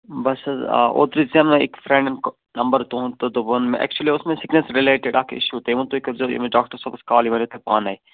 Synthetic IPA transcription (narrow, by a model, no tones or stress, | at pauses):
bɐsz̰ʔo̰ːt̪ɾizãmnɪ̰kfɾẽɳɖənk | nɐmbəɾt̪oɦnt̪od̪obonmẽʔɛ̰k̚t͡ʃuliʊsmẽsɪknesɾɪleːʈeɖaːkʰɪ̰ʃut̪eʋũnt̪oɪkɾzo̰mẽɖaːkʈəɾsɐbskaːliʋɐnot̪epaːnaːi